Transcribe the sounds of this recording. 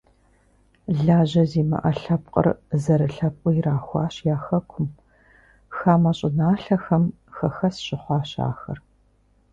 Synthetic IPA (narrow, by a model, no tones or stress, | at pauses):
ɮaːʑɐziːmɐ̰ʔɐɬɐpqʼə̰rzɐɾɨɬɐp̚kʷʼɔjiɾaːxʷɑːɕjaːxɐkʷʰʊm | xaːmɐɕʼɪnaːɬɐxɐm | xɐxɐsɕɪχʷɑːɕa̰ːxɐr